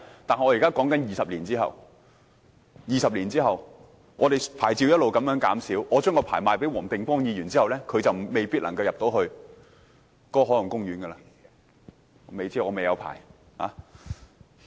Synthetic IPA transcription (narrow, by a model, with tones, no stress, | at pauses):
t̪aː˨nhɔː˨˧jiː˨˩kaː˥kɔː˨˥ŋkɐ˨˥njiː˨˩sɐ˨p̚liː˨˩nt͡siː˥hɐ̰˨˩w | jiː˨sɐ˨p̚liː˨˩nt͡siː˥hɐ˨˩w | ŋɔː˨˧ɾe˨jpʰaː˨˩jt͡siː˧wjɐ˥t̚lo˨wkɐ˨˥mjœː˨˥ŋkaː˨˥msiː˨˥wʔɔː˨˧t͡ʃœː˥ŋɔː˧pʰaː˨˩jmaː˨jpe˨˥jwɔː˨˩ŋt̪ɪ˨ŋkɔː˥ŋjiː˨˧jyː˨˩nt͡siː˥hɐ˨wlɛː˥kʰɵ˨˧ɥt͡sɐ˨wme˨jpiː˥t̚lɐ˨˩ŋkɐ˧wjɐ˨p̚t̪o˨˥wɦɵ˧ɥ | kɔː˥ɦɔː˨˥lɐ˨˩ŋkʊ˥ŋjyː˨˥nɡə˧laː˧˨˧ | me˨jt͡si˥˨ɔː˨˧me˨jɐ˨˧wpʰa̰ː˨˩j | ha̰ː˨˥